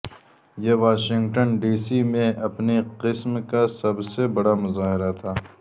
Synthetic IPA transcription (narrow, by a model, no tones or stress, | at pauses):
jeʋaːʃɪ̃ŋɡʈənɖiːsimẽɐpneqɪsmkasɐbsebɐɽamʊzaːɦɪɾat̪ʰaː